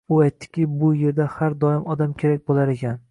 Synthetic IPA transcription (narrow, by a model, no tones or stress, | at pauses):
ʊajt̪ʰːɪ̥kʲɪbʊje̞ɾd̪ahaɾd̪ɒɪmɒd̪amkʲʰe̞ɾak̚ʲbolˠaɾe̞kʲʰan